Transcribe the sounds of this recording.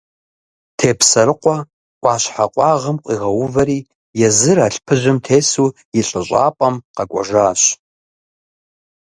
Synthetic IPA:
tʰeːpʰsɐɾɨqʷʼa | kʷʼɑːʃħaqʷʼɑʁəmqʷʼiʁɐwʊvɐɾiː | jɛzɨɾaːɬpʰɨʒʷɨmtʰeːsu | iɬʼɨɕʷʼa̰ːpʼɐmqɑkʷʼɔ̰ʒaːɕ

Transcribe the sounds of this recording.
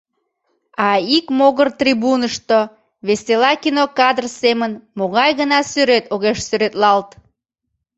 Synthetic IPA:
ɑikmoɣərt̪riβunəʃt̪o | βeselɑkinokɑd̪rsemənmoɣɑjɣənɑsyɾet̪oɣeʃsyɾet̪lɑlt̪

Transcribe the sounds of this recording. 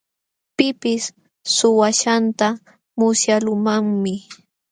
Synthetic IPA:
pɪpɪs | sʊwaʃant̪a | mʊsjalʊmaŋmɪ

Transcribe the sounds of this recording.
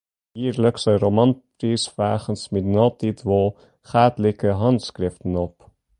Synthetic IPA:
iːɾləksəɾomɑnt | isvæːχənsmitnɑːtitvɔː | χæːdlikəɦɑntskrɪftənɔp

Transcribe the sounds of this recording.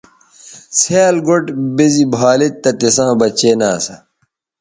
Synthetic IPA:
sʰeːlɡoʈbezibʱaːlit̪ːɐt̪esãːbɐt͡ɕeːnaːsɐ̰

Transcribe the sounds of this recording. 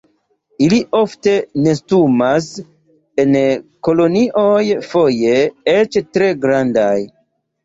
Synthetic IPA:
iliʔo̞fte̞ne̞stumas | e̞nko̞lo̞niʔo̞jfo̞je̞et͡ʃtɾe̞ɡɾandaj

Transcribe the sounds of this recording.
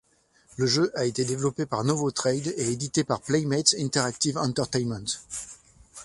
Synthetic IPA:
ləʒøʔaet̪ed̪evlɔpepaʁnɔvot̪χɛjd̪eed̪it̪epaʁplɛjmɛt̪sɛ̃nt̪ɛʁak̚t̪ivɑ̃nt̪ɛʁt̪ɛjnmɛ̃nt̪

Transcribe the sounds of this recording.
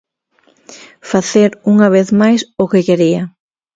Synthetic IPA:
faθeɾuŋaβ̞eθmajsʊkɪkeɾiɐ

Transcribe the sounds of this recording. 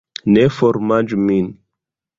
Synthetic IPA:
nefɔɾmand͡ʒumin

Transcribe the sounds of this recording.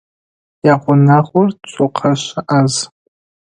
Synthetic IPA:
jaʁʷʊnaʁʷʊrt͡ʃʷʼoqʰaʃaʔaz

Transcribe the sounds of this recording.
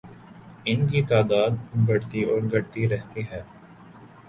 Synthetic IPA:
ɪnkit̪aːd̪aːd̪̚bɐɽt̪iɔːɾɡʱɐɽt̪iɾɛɦt̪iɦɛː

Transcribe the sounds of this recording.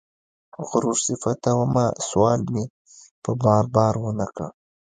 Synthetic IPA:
ɣʊɾuʐsɪfat̪awamaswɑːlmi | pəbɑːɾbɑːɾwənaka

